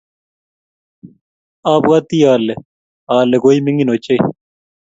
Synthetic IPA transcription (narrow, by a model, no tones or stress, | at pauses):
aːpɣat̪iːaːle | aːleɡoːimiŋɡinoːt͡ɕei